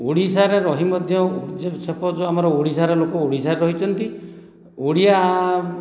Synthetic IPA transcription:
oɽisaɾeɾɔɦimɔd̪ʱjɔud͡ʒesepɔd͡ʒoamɔɾɔoɽisaɾɔlokɔoɽisaɾeɾɔɦit͡ʃʰɔnt̪i | oɽija

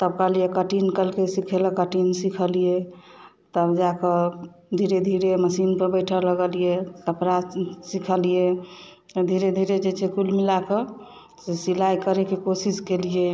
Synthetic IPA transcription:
t̪əbkalijekəʈinkəlkesikʰeləkəʈinsikʰəlije | t̪əbd͡ʒakə | d̪ʱiɾed̪ʱiɾeməsinpəɾbəɪʈʰələɡəlijesəpɾasikʰəlije | d̪ʱiɾed̪ʱiɾed͡ʒet͡ʃʰekulmilakə | sesilajkəɾekekosiskelije

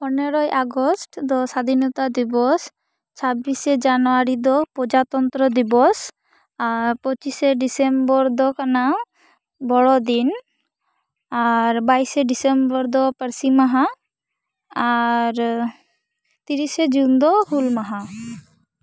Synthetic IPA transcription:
pɔneɾɔjʔaɡɔsʈd̪ɔsad̪ʱinɔt̪ad̪ibɔs | t͡ʃʰabised͡ʒanɔaɾid̪ɔpɾɔd͡ʒat̪ɔnt̪ɾɔd̪ibɔs | aɾpɔt͡ʃiseɖisembɔɾd̪ɔkana | bɔɽɔd̪in | aɾbajseɖisembɔɾd̪ɔpəɾsimaɦa | aɾ | t̪iɾised͡ʒund̪ɔhulmaɦa

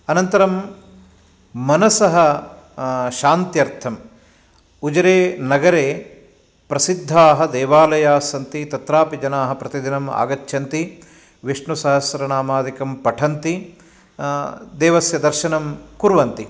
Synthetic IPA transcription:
ɐnɐnt̪ɐɾɐm | mɐnɐsɐɦɐ | ʃaːnt̪jɐɾt̪ʰɐm | ud͡ʒɐɾeːnɐɡɐɾeː | pɾɐsid̪ʱːaːɦɐ̆d̪eːʋaːlɐjaːsɐnt̪it̪ɐt̪ɾaːpid͡ʒɐnaːɦɐ̆pɾɐt̪id̪inɐma̰ːɡɐt͡ʃʰjɐnt̪i | ʋiʂɳusɐɦɐsɐɾɐnaːmaːd̪ikɐmpɐʈʰɐnt̪i | d̪eːʋɐsjɐd̪ɐɾʃɐnɐmkuɾʋɐnt̪i

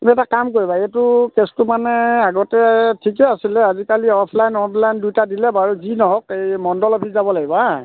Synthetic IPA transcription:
ɛtakamkoɹibaetʊkestʊmanɛaɡɔtɛtʰikɛasilɛazikaliɔpʰlajnɔntlajndujtadilɛbaɹuzinɔɦɔkejmɔndɔlɔpʰizabɔlaɡiba

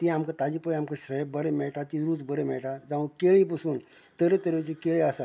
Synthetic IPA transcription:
t̪iamkat̪ad͡ʑipəjamkaɕɾəjbəɾemɛɭʈat̪iɾuːt͡sbəɾemɛɭʈad͡zaʋũkeɭipəsuːn | t̪əɾet̪əɾʋet͡ɕikeɭeasa

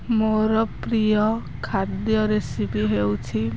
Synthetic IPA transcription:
moɾɔpɾijɔ | kʰad̪jɔɾesipiɦewt͡ʃʰi

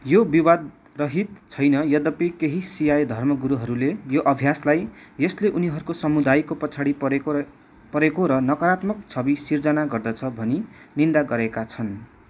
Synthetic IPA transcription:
jobiwad̪̚ | rʌɦit̪̚t͡sʰʌjnʌjʌd̪ʌpikeɦisijajd̪ʱʌrmʌɡuɾuɦʌɾulejoʔʌbʱjaslajjʌsleʔuniɦʌɾukosʌmud̪ajkopʌt͡sʰaɽi | pʌɾekoɾʌnʌkʌɾat̪mʌk̚t͡sʰʌbisird͡zʌnaɡʌrd̪ʌt͡sʰʌbʱʌninind̪aɡʌɾekat͡sʰʌn

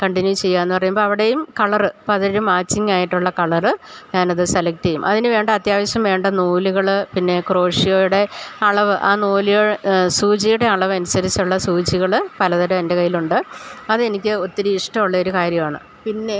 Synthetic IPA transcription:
kɐɳʈinjut͡ɕe̞jːaːenːɨpɐrɐjumboɭɐʋiɽe̞jumkɐɭɐrɨpɐɐðoɾumːaːt͡ɕːiŋɡaːjiʈːuɭːɐkɐɭɐrɨɲaːnɐðɨselɐk̚tːɐjumʔɐðinɨʋe̞ːɳɖɐɐt̪jaːʋɐɕjɐmʋe̞ːɳɖɐnuːliɣɐɭpinːe̞kro̞ːʂijo̞ːjuɽe̞ɐɭɐʋɨʔaːnuːliɣɐɭsuːt͡ɕijuɽe̞ɐɭɐʋɨɐnusɐɾit͡ɕːuɭːɐsuːt͡ɕiɣɐɭpɐlɐðɐɾɐmendekɐjːiluɳɖɨɐðɨe̞nikʲːɨo̞t̪ːiɾuiʂʈɐmuɭːɐo̞ɾukaːɾjɐmaːɳɨ̰ | pinːe̞

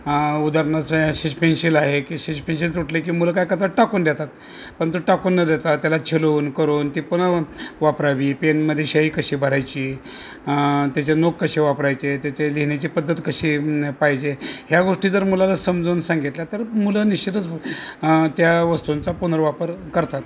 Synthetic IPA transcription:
ud̪aɾnasaɕispenɕilaɦekiːɕispenɕ̬ilt̪uʈlekiːmuləkajkət̪aʈakund̪jet̪at̪̚ | pəɳt̪oʈakunːəd̪et̪at̪jalat͡ɕʰeluːnkəɾuːnt̪ipunəʋapɾaʋiːpenməd̪ʱːjeɕaiːkəɕiːbʱəɾajt͡ɕiː | t̪jat͡ɕenokːəɕiʋapɾajt͡set̪jat͡ɕeliɦnat͡ɕiːpəd̪ːət̪kəɕiːpaɦid͡ʑehjaɡoʂʈiːd͡zəɾmulalasəmd͡zuːnsãŋɡit̪ljat̪əɾmuləniɕt͡ɕit̪ət͡s | t̪jaʋəst̪unt͡sapunəɾʋapəɾkəɾt̪at̪

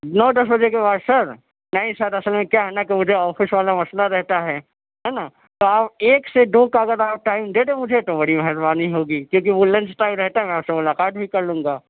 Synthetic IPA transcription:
nɔːd̪ɐsbɐd͡ʒekebaːd̪sɐɾ | nɐɦĩsɐɾɐsəlmẽkjaɦɛnakemʊd͡ʒʱeɔːfɪsʋaːlamɐslaɾɛɦt̪aɦɛː | ɦɛna | t̪oaːpeːksed̪oːkaɐɡəɾaːp̚ʈaːɪmd̪eɽemʊd͡ʒʱet̪obɐɽimɛɦəɾbaːniɦoːɡiːkjõːk̬iʋolɐ̃nt͡ʃʈaːɪmɾɛɦt̪aɦɛmɛ̃aːpsemʊlaːqaːt̪̚bʱikɐɾlũːŋɡaː

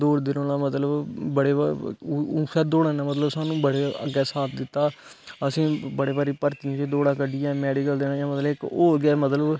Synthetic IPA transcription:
d̪oːɽd̪ɪnõːnãːmət̪ləbbəɽeː | usɛːd̪oːɽãːnãːmət̪ləbsaːnũːbəɽeːə̰ɡɛːsaːt̪̚ʰd̪ɪt̪ːaː | əsĩːbəɽeːbaːɾiːpəɾt̪iãːt͡ʃeːd̪oːɽãːkəɖɪjãːmɛːɖiːkəld̪eːnãːjãːmət̪ləbɪkoːɡɛːmət̪ləb

